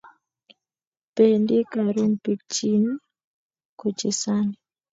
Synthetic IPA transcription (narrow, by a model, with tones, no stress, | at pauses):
pe˨ndi˦ka˨ɾu˦npi˨t͡ʃi˦n˦ | ko˨t͡ʃi˨sa˦ni